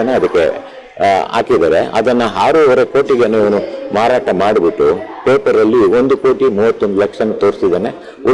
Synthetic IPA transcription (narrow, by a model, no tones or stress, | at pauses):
ɐneɐd̪ɐkːe̞̰ | a̰ːkid̪aːɾe̞̰ʔɐ̰d̪ɐnːɐɦaːɾuʋɐɾeko̞ːʈiɡeneiʋɐnumaːɾaːʈɐmaːɖbiʈːupeːpɐɾɐlːio̞nd̪uko̞ːʈimuːʋɐt̪ːo̞nd̪ulɐkʂɐnːut̪o̞ːɾsid̪ɐne | u